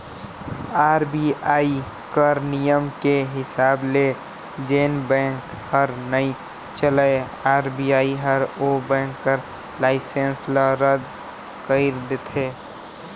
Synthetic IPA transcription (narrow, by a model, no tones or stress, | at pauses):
aːɾbiaːi | kəɾnijəmkeɦɪsaːble | d͡ʒeːnbɛ̃ːŋk | həɾnəĩ | t͡ʃələe | aːɾbiaːiɦəɾobɛ̃ːŋkːəɾ | laːɪsẽnsləɾəd̪ | kəɪɾd̪et̪ʰeː